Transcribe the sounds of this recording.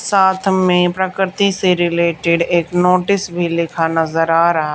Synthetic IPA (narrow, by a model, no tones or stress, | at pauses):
saːt̪ʰmẽpɾəkɾɪt̪iseɾɪleːʈɪɖeːknoːʈɪsbʱilɪkʰanɐzəɾaːɾɐɦa